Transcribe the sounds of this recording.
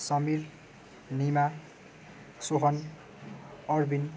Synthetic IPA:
sʌmil | nima | soɦʌn | ʌrbin

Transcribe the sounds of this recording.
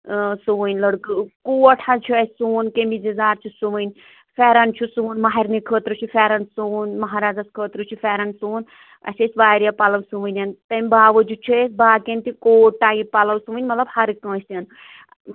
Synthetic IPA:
suʋɨnʲlɐɽkɨkuɐʈʰat͡ʃʰuɐsʲsuːnkemizizaːɾt͡ʃʰusuʋɨnʲ | fʲɛːɾɐnt͡ʃʰusuːnmaɦiɾnikʰəːt̪ɾɨt͡ʃʰifɛɾɐnsunmɐɦaːɾaːzɐskʰəːt̪ɾɨt͡ʃʰufʲɛːɾɐnsuːn | ɐ̰sʲesʲbaːɾijapalɐʋsuʋɨnʲɐnt̪ɐmʲbaːʋəd͡ʒut͡ʃʰisbaːkent̪ikoːʈaːjipalɐwsuʋɨnʲmɐt̪lɐbhɐɾikə̃ːsʲjɐn

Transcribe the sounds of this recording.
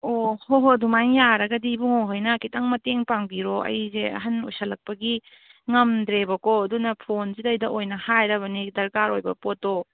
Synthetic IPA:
ohoɦodumajŋjaɾɐɡɐdibuŋoɦɐjnɐkitɐŋmɐteŋpaŋbiɾoɐ̰jzeɐ̰ɦɐnṵjsɐlɐk̚pɐɡi | ŋɐmdɾebɐkoɐdunɐpʰonzidɐjdɐʔojnɐhajɾɐβɐnidɐɾkaɾojbɐpotːo

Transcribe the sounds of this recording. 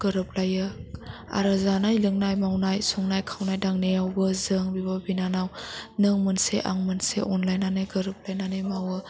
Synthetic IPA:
ɡ̥ɯɾɯp̚lajɯ | a̰ɾazanajlɯŋnajmawnajsɔŋnajkʰawnajdaŋnejawbɯzɯŋbibabinanawnɯŋmɯnseʔa̰ŋmɯnsḛʔɔnlajnanɯjɡəɾɯp̚lajnanɯjmawɯ

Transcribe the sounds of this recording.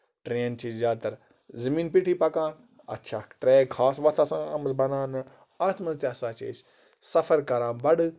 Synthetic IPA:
ʈɾeːnt͡ʃʰizʲjaːt̪ɐɾ | zɐmiːnpiʈʰipɐkãːn | ɐ̰tːʃʰaːʈɾeːkʰaːsʋɐt̪ʰɐsãːɐmɐzbɐnãːnɨ | aːt̪ʰmɐzt̪eɐsãːt͡ʃis | sɐfɐɾkɐɾãːbɐɽɨ

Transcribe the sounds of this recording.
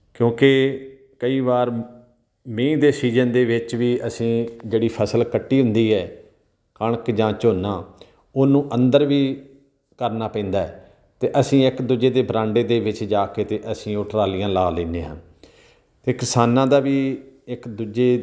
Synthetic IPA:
kjõːkeː | kəiːbaːɾ | mẽːd̪eːsiːzənd̪eːʋɪt͡ʃʋiːəsĩːd͡ʒeːɽiːpʰəsəlkəʈːiːɦʊ̃nd̪iːɦɛː | kəɳkd͡ʒãːt͡ʃoːnãː | ʊnũːʔə̃nd̪əɾʋiː | kəɾnaːpɛ̃ːnd̪aːɛː | t̪eːʔəsĩːɪkd̪ud͡ʒeːd̪eːbɾãːɳɖeːd̪eːʋɪt͡ʃd͡ʒaːkeːt̪eːʔəsĩːoʈɾaːlɪijãːlaːleːneːɦã̰ː | t̪eːkɪsaːnãːd̪aːʋiːɪkd̪ud͡ʒeː

